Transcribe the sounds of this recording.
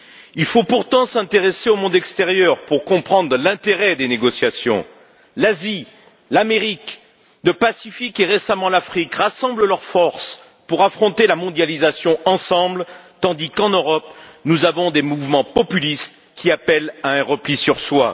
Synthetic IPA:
ilfopuʁt̪ɑ̃sɛ̃t̪eʁeseomɔ̃d̪ɛkst̪eʁjœʁpuʁkɔ̃pχɑ̃d̪ʁəlɛ̃t̪eʁɛd̪eneɡɔsjasjɔ̰̃ | lazi | lameʁik | ləpasifikeʁesamɑ̃lafχikʁasɑ̃bllœʁfɔʁs | puʁafχɔ̃t̪elamɔ̃d̪jalizasjɔ̃ɑ̃sɑ̃blt̪ɑ̃d̪ikɑ̃nøʁɔpnuzavɔ̃d̪emuvmɑ̃pɔpylist̪ | kʲiapɛlaɛ̃ʁəplisyʁswa

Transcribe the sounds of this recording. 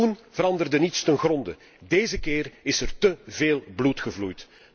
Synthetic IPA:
unvəɾɑndərdənitstənɣrɔndə | deːzəkɪːrɪsərtəveːlˠblutxəvlujt

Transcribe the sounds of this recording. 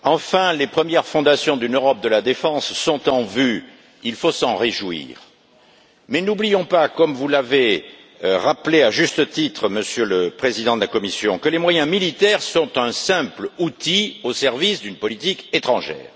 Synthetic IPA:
ɑ̃fɛ̃lepχəmjɛʁfɔ̃d̪asjɔ̃d̪ynøʁɔp̚d̪əlad̪efɑ̃sːɔ̃t̪ɑ̃vy | ilfosɑ̃ʁeʒwḭːʁ | mɛnublijɔ̃pakɔmvulave | ʁapleaʒyst̪ət̪it̪χəməsjøləpχezid̪ɑ̃d̪əlakɔmisjɔ̃kəlemwajɛ̃milit̪ɛʁsɔ̃t̪ɛ̃sɛ̃plut̪iosɛʁvisd̪ynpɔlit̪iket̪χɑ̃ʒɛ̰ːʁ

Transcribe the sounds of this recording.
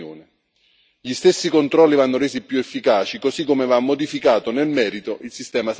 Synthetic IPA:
oːnɪ | ʎist̪esːikont̪ɾɔlːivanːʊɾeːzipjuefːikaːt͡ʃikosikːomevamːod̪ifikaːt̪onelmɛːɾit̪oʔilsist̪ɛːmas

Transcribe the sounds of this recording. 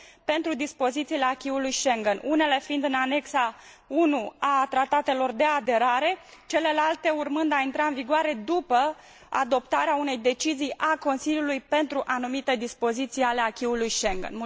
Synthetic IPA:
pe̞nt̪ɾud̪ispo̞zit̪siːle̞akʲiulujʃe̞ŋɡənune̞le̞find̪ɨnane̞ksaunuat̪ɾat̪at̪e̞lo̞rd̪e̞ad̪e̞ɾaɾe̞ | t͡ʃe̞le̞lalt̪e̞urmɨnd̪aint̪ɾaɨnviɡoaɾe̞d̪upə | a̰d̪o̞pt̪aɾeaune̞jd̪e̞t͡ʃizijʔako̞nsiljulujpe̞nt̪ɾuʔanumit̪e̞d̪ispo̞zit̪sijale̞akʲiulujʃeŋɡə̰nm

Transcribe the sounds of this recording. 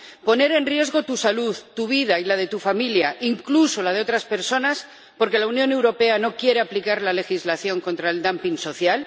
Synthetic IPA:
po̞ne̞ɾe̞nrje̞zɣo̞t̪usaluðt̪uβ̞iðailað̞e̞t̪ufamiljaʔiŋkluso̞lað̞e̞o̞t̪ɾaspe̞ɾso̞nas | po̞ɾke̞launjõ̞ne̞wɾo̞pe̞ano̞kje̞ɾe̞aplikaɾlale̞xizlaθjo̞ŋko̞nt̪ɾaeld̪ampiŋso̞θjal

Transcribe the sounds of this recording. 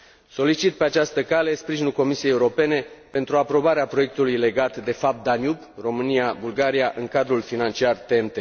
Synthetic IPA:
so̞lit͡ʃit̪̚pe̞at͡ʃast̪əkale̞spɾiʒinulko̞misiejeuɾo̞pe̞ne̞pe̞nt̪ɾuapɾo̞baɾeapɾo̞je̞k̚t̪ulujle̞ɡat̪d̪e̞fap̚t̪̚d̪anjup | ro̞mɨniabulɡaɾijaʔɨŋkad̪ɾulfinant͡ʃiart̪eent̪e̞

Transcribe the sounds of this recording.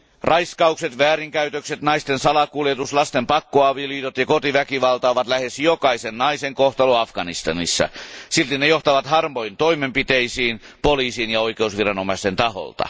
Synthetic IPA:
rʔɑiskɑukset̪ʋæːɾiŋkæyt̪økset̪nɑist̪ensɑlɑkuljet̪uslɑst̪empɑkːoɑʋiljot̪jɑkot̪iʋækiʋɑlt̪ɑoʋɑt̪læhesjokɑisennɑiseŋkoht̪ɑluɑfɡ̥ɑnist̪ɑnḭsːɑ̰silt̪inːejoht̪ɑʋɑt̪hɑrmoint̪oimempit̪eisiːn | poliːsiːnjɑoikeusʋirɑnomɑist̪ent̪ɑho̰lt̪ɑ̰

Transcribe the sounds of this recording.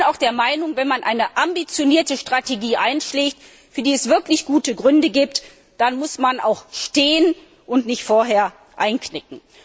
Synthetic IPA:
naʊxd̥eːɐmaɪnʊŋvɛnmanʔa̰ɪnəʔambit͡sjoniːɐtəʃtʁ̥ateɡiːʔa̰ɪnʃleːçt | fyːɐdiːɛsv̥ɪɐklɪçɡ̥uːtəɡʁʏndəɡiːp̚t | d̥anmʊsmanʔa̰ʊxʃteːən | ʔʊntnɪçtfoːɐɦeːɐ | ʔaɪnknɪk̚ŋ̩

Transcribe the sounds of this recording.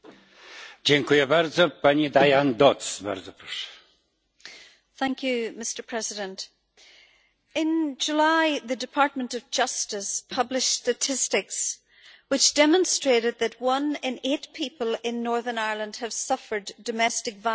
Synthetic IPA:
d͡ʑɛŋkujɛbaɾd̪zɔpaɲid̪ajand̪ɔt̪sba̰ɾzɔpɾɔʂɛ̥ | θæ̃ŋkʰjʉmɪstə˞pʰɹ̥ɛzɪɾə̃nt | ɪ̃nd͡ʒulaɪðɨdɨpʰaɹt̚mə̃ntʌvd͡ʒʌstɪspʰʌblɪʃstətʰɪstɪks | wɨt͡ʃd̥ɛmə̃nstɹ̥eɾɨd̪̚ðɨt̚wʌ̃nɪ̃net̚pʰipəlˠɪ̃nːɔɹðə˞naɪɹlˠə̃nd̥əv̥sʌfə˞dəmɛstɨkva

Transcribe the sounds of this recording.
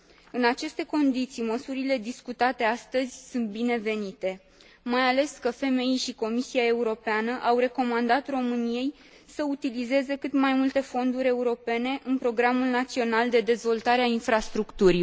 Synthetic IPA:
ɨnat͡ʃe̞st̪e̞ko̞nd̪it̪sijməsuɾile̞d̪iskut̪at̪e̞ast̪əzʲsunt̪̚bine̞ve̞nit̪e̞ | majale̞skəfe̞me̞ijʃiko̞misiae̞uɾo̞peanəʔawre̞ko̞mand̪at̪ro̞mɨnije̞j | səut̪ilize̞ze̞kɨt̪majmult̪e̞fo̞nd̪uɾʲe̞uɾo̞pe̞ne̞ʔɨnpɾo̞ɡɾamulnat̪sio̞nald̪e̞d̪e̞zvo̞lt̪aɾeainfɾast̪ɾukt̪uɾi

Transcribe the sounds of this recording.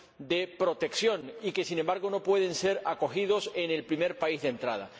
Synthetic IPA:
d̪e̞pɾo̞t̪e̞ksjo̞nike̞sinembaɾɣ̞ono̞pwe̞ðe̞nse̞ɾako̞xið̞o̞se̞ne̞lpɾime̞ɾpaizðent̪ɾa̰ða̰

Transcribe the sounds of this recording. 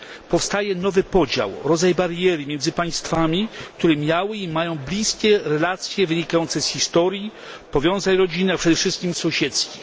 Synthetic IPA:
pɔfst̪ajɛnɔvɘpɔd͡ʑa̰wɾɔd̪zajbaɾjɛɾɨmjɛnd̪zɘpaj̃st̪famʲik̚t̪uɾɛmʲjawɘimajɔ̃w̃blʲiskʲɛɾɛlat̪sʲjɛvɘɲikajɔnt̪sɛsxʲist̪ɔɾji | pɔvʲjɔ̃w̃zaɲɾɔd͡ʑinɘapʂɛd̪ɛfʂɘst̪kʲimsɔ̃w̃ɕɛt̪skʲi

